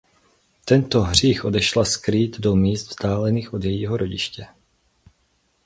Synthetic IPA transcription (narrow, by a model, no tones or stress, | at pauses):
t̪ɛnt̪oɦr̝iːxʔo̞dɛʃlaskɾiːd̪do̞miːst̪vzd̪aːlɛniːxʔo̞d̪jɛjiːɦoɾo̞ɟɪʃcɛ